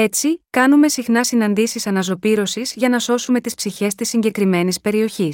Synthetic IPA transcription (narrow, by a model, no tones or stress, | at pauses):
e̞t͡sikɐnume̞sixnɐsinɐnd̪isisɐnɐzo̞piɾo̞sizʝɐnɐso̞sume̞t̪ispsiçe̞st̪isːiɲɟe̞kɾime̞nispe̞ɾio̞çis